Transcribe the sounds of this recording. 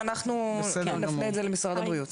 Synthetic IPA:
anaχnuɛnafneːtzelemisʁad̪abʁiut̪

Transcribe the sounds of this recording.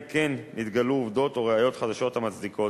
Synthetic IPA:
kenːit̪ɡaluːvd̪o̞t̪o̞ʁeajo̞t̪χad̪aʃo̞t̪hamat͡sd̪ikʰo̞

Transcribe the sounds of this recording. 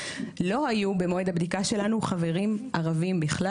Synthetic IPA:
lo̞hajube̞moed̪abd̪ikaʃe̞lanuχave̞ʁimʔaʁavimbiχla

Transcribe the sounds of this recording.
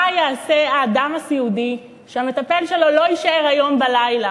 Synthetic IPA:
jeːse̞aːd̪amasiudi | ʃeame̞t̪ape̞lʃe̞lo̞lo̞iʃaʔe̞ʁajo̞mbalajla

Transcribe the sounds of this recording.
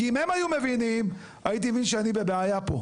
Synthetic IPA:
kiimhemajume̞vinim | ajit̪̬ievinʃeanibe̞beajapo̞̰

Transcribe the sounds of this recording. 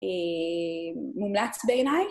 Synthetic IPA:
e | mumlat͡sbeenaj

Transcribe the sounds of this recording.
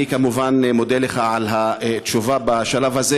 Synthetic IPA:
ikamuvanmodeleχaʕalɦat̪ʃuvabaʃalavhaze

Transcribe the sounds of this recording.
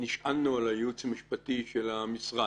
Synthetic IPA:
niʃʔalːualajut͡samiʃpat̪iʃelamisʁa

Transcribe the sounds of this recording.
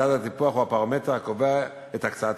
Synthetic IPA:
atat̪ipuaχuapaʁomet̪eʁakovea | ethakt͡saat

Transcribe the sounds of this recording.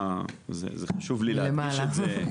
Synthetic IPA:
zḛzeχaʃuvlillemaːlaz

